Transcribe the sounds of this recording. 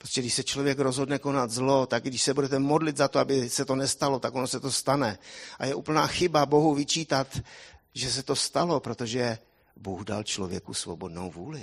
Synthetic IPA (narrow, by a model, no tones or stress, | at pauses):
pɾostcɛɡdɪʃsɛt͡ʃlovjɛkɾo̞zɦo̞dnɛko̞nat̪zlo̞t̪aɡɡdɪʃsɛbudɛt̪ɛmodlɪt̪zat̪oabɪsɛt̪o̞nɛst̪alo̞t̪akonosɛt̪ost̪anɛʔajɛʔuːpl̩naːxɪbabo̞ɦuvɪt͡ʃiːt̪at̪ | ʒɛs̬ɛt̪o̞st̪alo̞pɾo̞t̪oʒɛ | buːxda̰lt͡ʃlovjɛ̰kusvobo̞dno̰wvuːlɪ